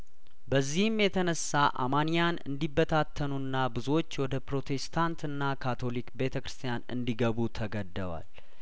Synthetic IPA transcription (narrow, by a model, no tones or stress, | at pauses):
bəzːihɨmjɛt̪ʰənəsːaʔa̰manijanɨ̰nd̪ibːət̪ʰat̪ʰːənunːabɨzo̞t͡ʃːwɔd̪əpɾo̞t̪ʰe̞st̪ʰant̪ɨnːakʰat̪ʰo̞likbe̞t̪ʰəkɾɨst̪ʰijanɨ̰nd̪iɡəβut̪ʰəɡəd̪ːəwa̰l